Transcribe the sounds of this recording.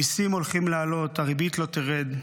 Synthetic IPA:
isimo̞lχimlealo̞t̪aʁibit̪lo̞t̪iʁed̪

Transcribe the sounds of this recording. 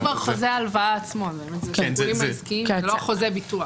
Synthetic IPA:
vaʁχozealvaaːt͡smobemetzeimaskiloχozebit̪ua

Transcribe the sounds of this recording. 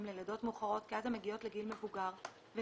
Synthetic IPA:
mleledo̞tmuχaʁo̞tkiazhemːeɡijo̞tleɡilme̞vuɡaʁ | ve

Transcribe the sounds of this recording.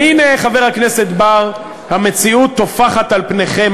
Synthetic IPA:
ine̞χave̞ʁhakne̞se̞t̪baʁ | hamet͡siut̪ːo̞faχat̪alpneχe̞m

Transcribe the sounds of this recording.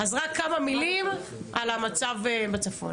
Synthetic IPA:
azʁakːamamilimʔalamat͡savebat͡safo̰n

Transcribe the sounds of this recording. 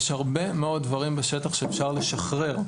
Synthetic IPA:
ʃhaʁbe̞meo̞d̚ːvaʁimbeʃe̞t̪aχʃeːfʃaʁle̞ʃaχʁe̞ʁ

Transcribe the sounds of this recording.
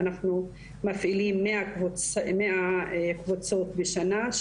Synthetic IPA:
naχnu | mafʔilimːeʔakvumeʔakvut͡so̞t̪beʃanaʃ

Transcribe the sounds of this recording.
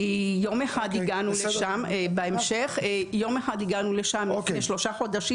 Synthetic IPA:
jomeħad̪iɡanuleʃambeemʃeχjo̞meħad̪iɡanuleʃameʃlo̞ʃaχod̪aʃi

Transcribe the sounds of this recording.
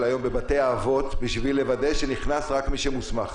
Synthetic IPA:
lajo̞mbe̞bate̞jaːvo̞t̪biʃvilːe̞vade̞ʃeniχnasʁakmiʃemusmaχ

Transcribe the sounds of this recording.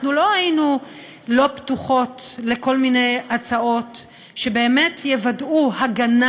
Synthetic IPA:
nulo̞hajinu | lo̞ptuχo̞tle̞ko̞lminejat͡sao̞t | ʃe̞be̞ːmetjevaduhaɡan

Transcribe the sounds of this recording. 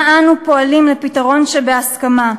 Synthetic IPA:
ʔanupo̞alimlepitaʁo̞nʃebeaskama

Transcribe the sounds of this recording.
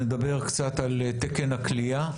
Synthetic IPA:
ned̪abe̞ʁkt͡sat̪alt̪ekenaklia

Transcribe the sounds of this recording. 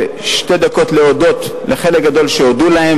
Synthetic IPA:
ʃte̞d̪ako̞t̪leod̪o̞t̪leχelek̚ɡad̪o̞lʃeod̪ulahem

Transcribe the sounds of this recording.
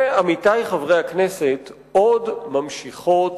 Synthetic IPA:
eamitajχavʁejhakneset | o̞dmamʃiχo̞t

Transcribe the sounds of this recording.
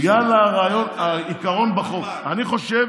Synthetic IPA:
ɡalaʁaːjo̞naikaʁo̞nbaχok | aniχo̞ʃe

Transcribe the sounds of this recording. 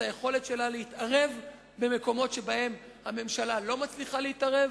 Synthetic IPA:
ajeχo̞le̞tʃe̞laleit̪aʁe̞v | be̞me̞ko̞mo̞tʃe̞bahe̞m | hame̞mʃalalomat͡sliχaleitaʁev

